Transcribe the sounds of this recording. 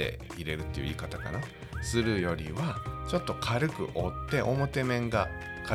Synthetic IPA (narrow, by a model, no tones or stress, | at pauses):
e̞̰ | iɾe̞ɾɯ̟t̪ːejɯ̟ḭːkat̪aka̰na | sɨɾɯ̟jo̞ɾʲḭβat͡ɕo̞t̪ːo̞kʰaɾɯ̟kɯ̟̰ʔo̞t̪ːe̞ʔo̞mo̞t̪e̞mẽ̞ŋɡa | ka